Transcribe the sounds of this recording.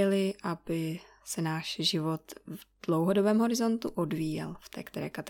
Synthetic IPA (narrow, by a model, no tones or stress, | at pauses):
ɛlɪʔabɪ | sɛnaːʃʒɪvo̞t̪vd̥lowɦo̞dobɛːmɦo̞ɾɪzo̞nt̪uʔo̞dviːjɛ̰lft̪ɛ̰ːkt̪ɛɾɛ̰ːkat̪